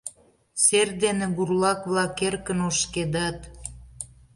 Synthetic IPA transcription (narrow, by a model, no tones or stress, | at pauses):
serd̪enĕɡurlɑkβlɑkːerkənoʃked̪ɑt̪